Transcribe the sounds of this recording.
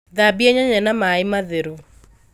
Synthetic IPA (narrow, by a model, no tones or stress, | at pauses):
ðabiɛɲaɲɛnamaɪmaðeɾu